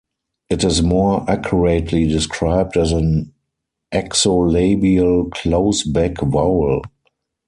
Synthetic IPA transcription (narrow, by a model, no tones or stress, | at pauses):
ʔɪtɪzmɔʔakʰjɔɹetʰlidɪskʰɹaɪb̚dæzə̃n | ʔɛksoleɪbiəlkʰloʊsbɛkvaʊl